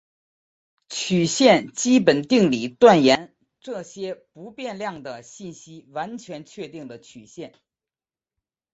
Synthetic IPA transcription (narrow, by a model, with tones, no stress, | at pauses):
t͡ɕʰy˨˩ɕjɛ˥˩nt͡ɕi˥pə˨˩nt̪i˥˩ŋli˨˩t̪wa˥˩njɛ˧˥n | ʈ͡ʂɤ˥˩ɕjɛ˥pu˧˥pjɛ˥˧nljɑ˥˩ŋd̪ə˩ɕi˥˩nɕi˥wa˧˥nt͡ɕʰɥɛ˧˥nt͡ɕʰɥɛ˥˧t̪i˥˩ŋlə˩t͡ɕʰy˨˩ɕjɛ˥˩n